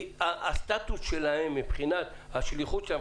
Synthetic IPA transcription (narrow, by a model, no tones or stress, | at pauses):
aast̪at̪usʃelahemːipχinat̪ | haʃliχut̪ʃea